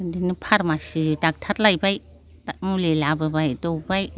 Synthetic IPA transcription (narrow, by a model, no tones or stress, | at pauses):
dinipʰaɾmasidak̚tʰat̚lajbaj | amulilababajdowbaj